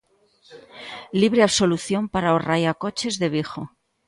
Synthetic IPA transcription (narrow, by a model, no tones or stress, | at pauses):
liβ̞ɾe̞aβso̞luθjo̞mpaɾaorajako̞t͡ʃe̞zðe̞β̞ixo̞